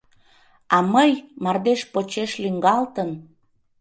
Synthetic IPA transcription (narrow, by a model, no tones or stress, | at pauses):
ɑməjmɑrd̪eʃpot͡ɕeʃlyŋɡɑlt̪ən